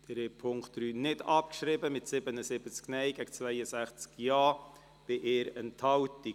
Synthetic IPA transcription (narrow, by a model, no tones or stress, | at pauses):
d̥ɛɾɛpʰʊŋktd̥ɾyːnɪdɑpkʃɾɪbəmɪtsɪbənəsɪb̥ət͡sknɛjɡæɡt͡svæɪəsæχt͡skjɑː | b̥ɪʔeːɾɛnthɑwti